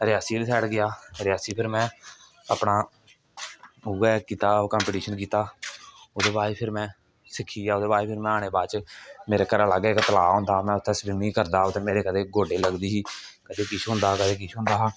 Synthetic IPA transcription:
ɾɪjaːsiːlt̪ʰɛːɽɡɪjaːɾɪjaːsiːpʰɪɾmɛ̃ː | aːpnaː | uɡɛːkiːt̪aːokəːmpːʈiːʃənk̬iːt̪aːoːd̪eːbaːiːpʰɪɾmɛ̃ː | sɪkʰːiːaːoːd̪eːbaːipʰɪɾmɛ̃ːaːɽ̃eːbaːt͡ʃmeːɾeːkəɾãːləɡeːkət̪əlaːɦõnd̪aːmɛ̃ːʊt̪ʰːɛːsbɪnːiːkəɾd̪aːoːt̪ʰeːmeːɾeːkəd̪eːɡoːɖeːləɡd̪iːɦiːkəd̪eːkɪt͡ʃʰɦʊ̃nd̪aːkəd̪eːk̬ɪt͡ʃʰɦʊ̃nd̪aːɦaː

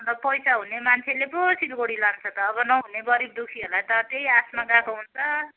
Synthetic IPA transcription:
ʌnt̪ʌpʌjsaɦunemant͡sʰelepʌsilɡoɽilant͡sʰʌt̪ʌːbʌnʌɦuneɡʌɾib̚d̪ukʰiɦolajt̪ʌt̪ejasmaɡakoɦunt͡sʰʌ

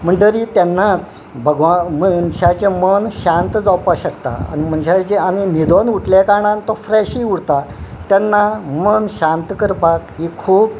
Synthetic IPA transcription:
m̤əɳʈ̪əɾit̪janːat͡s | bʱəɡʋamənɕat͡ɕemənɕãnt̪d͡zawpaɕəkt̪a̰a̰ñim̤ənɕat͡ɕeaninid̪ʱonuʈʰlekaɳ̃ant̪ɔfɾɛɕiuɽt̪at̪janːamənɕãnt̪kəɾpakɦikʰuːp

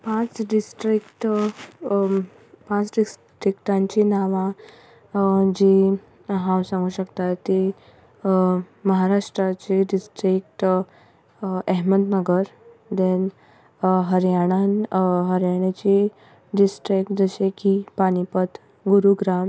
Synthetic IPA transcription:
pãt͡sɖisʈɾikʈ | pãt͡sɖisʈɾikʈãɲt͡ɕinaʋã | d͡ʑe | ɦãwsãŋɡuːɕəkt̪at̪t̪ːe | məɦaɾaʂʈɾat͡ɕeɖisʈɾik̚ʈ | ɛɦməd̪nəɡəɾd̪en | ɦəɾjaɽ̃anɦəɾjaɽ̃et͡ɕi | ɖisʈɾikʈ̚d͡zəɕekipaɽ̃ipət̪ | ɡuɾuɡɾam

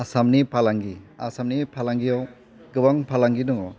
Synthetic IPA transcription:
asamnipʰalaŋɡia̰samnipʰalaŋɡijaw | ɡɯbaŋpʰalaŋɡinɔɡɔ

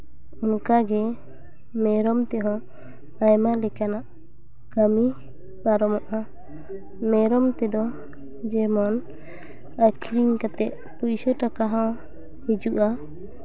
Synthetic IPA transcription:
ɔnkaɡɛ | mɛɾɔmt̪ɛɦɔ̃ | ajmalɛkanaʔ | kəmi | baɾɔmɔʔa | mɛɾɔmt̪ɛd̪ɔ | d͡ʒɛmɔn | akʰiɾiɲkat̪ɛʔ̪̚ | pujsɔʈakaɦɔ̃ | hid͡ʒuʔa

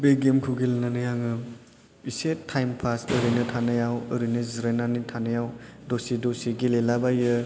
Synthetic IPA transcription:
beɡemkʰuɡelnanɯjaŋɯ | isetʰajmpʰasəɾɯjnɯtʰanajawəɾɯjnɯziɾenanitʰanɯjawdosidosiɡilelabajɯ

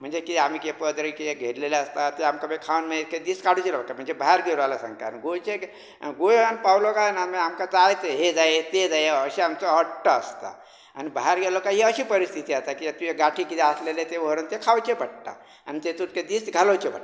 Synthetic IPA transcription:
m̤ənd͡ʒekiamikepəd̪ɾəkeeɡʱeɽleleəst̪at̪oamkabekʰawnmeked̪iskaɽut͡ʃelobəʈːam̤ənd͡zebaɦaɾɡeɾalasə̃ŋka̰nɡot͡ʃe | ɡojənpawlokanameɦəmkat͡sajet̪eɦed͡zajet̪ed͡zajeəsiamsoəʈʈːast̪a̰ | a̰nibaɦaɾɡelokajeəsipəɾist̪ʰit̪iəɦt̪akijat̪ujeɡaʈʰikit̪aslelet̪eoɾənt̪ekʰawt͡ʃebəʈʈa̰ | ə̰nit̪et̪ut̪ked̪isɡʱalot͡ʃebəʈːa

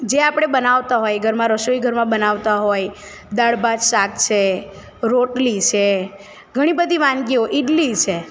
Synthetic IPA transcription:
d͡ʒeapɽ̃ebənaʋt̪aɦojɡʱəɾmãɾəʃoiɡʱəɾmãbənaʋt̪aɦoj | d̪aɭbad͡ʒʃak̚t͡ʃʰe | ɾoʈlit͡ʃʰe | ɡʱəɽ̃ibəd̪ʱiʋãnɡioʔiɖlit͡ʃʰe

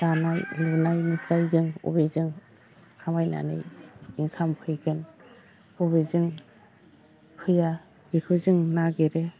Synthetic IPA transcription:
sanajlunajnɯpʰɾajzɯŋɔ̰bezɯŋ | kʰamajna̰nɯ̰jiŋkʰampʰɯjɡɯn | ɔβezɯŋ | kʰɯja | bikʰɯzɯŋnaɡeɾe

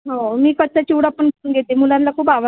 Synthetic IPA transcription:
ɦomiːkət̪̚sat͡ɕiʋɽapːəɳnɡʱet̪emulãnlakʰuːpaʋə

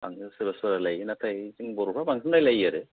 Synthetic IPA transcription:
aŋsɯbaswaɾalajnat̪ʰajzɯŋbɔɾupʰabaŋsɯmdajlajaɾɯ

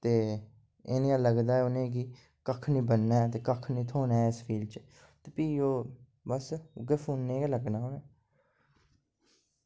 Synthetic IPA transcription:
t̪eː | eːnĩãləɡd̪aːɛʊnẽːɡ̬iː | kəkʰnĩːbənːaːt̪eːkəkʰnĩːt̪ʰoːnaːɪspʰiːlt͡ʃə | t̪eːpiːoː | bəsʊɡeːpʰuːnːẽːɡaləɡnaːoːnẽː

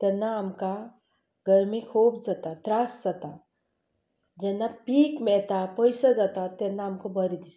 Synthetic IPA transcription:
t̪ɛnːaːmka | ɡəɾmikʰuːbd͡zat̪at̪ɾasd͡zat̪a | d͡ʑɛnːapiːkmɛɭt̪apəjsad͡zat̪at̪ɛnːaːmkobəɾid̪is

